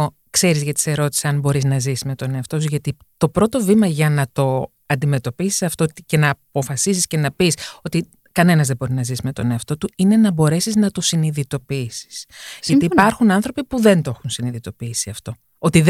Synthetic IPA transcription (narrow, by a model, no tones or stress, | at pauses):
o | kse̞ɾizʝɐt̪i̥se̞ɾo̞t̪i̥sesɐnbo̞ɾiznɐzisme̞t̪o̞neɐft̪ozʝɐt̪i | t̪o̞pɾo̞t̪o̞vimɐʝɐnɐt̪o̞ | ɐnd̪ime̞t̪o̞pisi̥sɐft̪o̞t̪ice̞nɐːpo̞fɐsisisce̞nɐpiso̞t̪i | kɐne̞nɐzðebo̞ɾinɐzisme̞t̪o̞̰neɐft̪o̞t̪uine̞nɐbo̞ɾe̞siznɐt̪osiniðit̪o̞piisi̥sʝɐiːpɐɾxunɐnθɾo̞pipuðe̞nt̪o̞xunsiniðit̪o̞piisiɐft̪o̞ | o̞t̪ið